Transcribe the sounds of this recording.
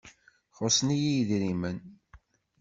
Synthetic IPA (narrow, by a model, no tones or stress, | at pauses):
χʊsnijijðɾimən